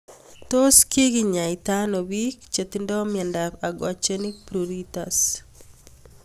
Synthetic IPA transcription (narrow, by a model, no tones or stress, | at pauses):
t̪oskiɡiɲait̪anowikt͡ʃet̪indɔmɪɛndapaɡwat͡ʃenipɾuɾit̪as